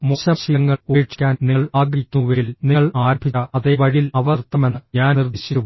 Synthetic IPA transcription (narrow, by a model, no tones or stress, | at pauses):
moɕɐɕiɐŋːɐeːɻʈːi̥kʲːaːnniɭaːɡɾikʲnuʋeːlniɐɭaːɾbʱiɐɐðeʋɐɻiilɐʋɐrt̪ːɐmenːɨɲaːnird̪ʱiɕiɾuʋ